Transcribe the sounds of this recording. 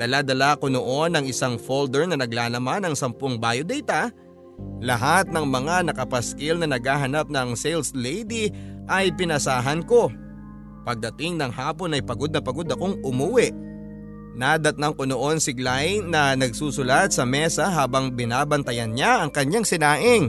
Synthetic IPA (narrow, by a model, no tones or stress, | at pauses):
d̪̥ɐlad̪ɐlako̞no̞ʔo̞nɐŋɪsaŋfold̪ɛɹnɐnɐɡlaːlɐmanɐŋsɐmpoŋbajod̪ɛjt̪ɐ | lɐɦat̪̚nɐŋmɐŋanɐkɐpɐskɪlnɐnɐɡhaːɦɐnap̚nɐŋselslɛjd̪iʔɐjpɪnɐsaːɦɐnko̞ | pɐɡ̚d̪ɐt̪ɪŋnɐŋhaːpo̞nɐjpɐɡo̞d̪̚nɐpɐɡo̞d̪ɐkoŋʔʊmuwɪʔ | nad̪ɐt̪̚nɐŋkono̞ʔo̞nsɪɡlanɐnɐɡsuːsʊlad̪̚sɐmɛsɐɦaːbɐŋbɪnaːbɐnt̪ɐjɐnɲaɐŋkɐɲːaŋsɪnaːʔɪŋ